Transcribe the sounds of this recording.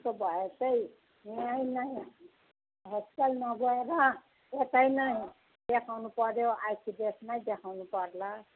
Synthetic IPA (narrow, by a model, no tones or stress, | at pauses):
tobʱʌesʌj | majnaj | ɦeskelnʌbʱʌeɾʌ | et̪ajnaj | d̪ekʰawnupʌɾjoajkʰibesnajd̪ekʰawnupʌɾla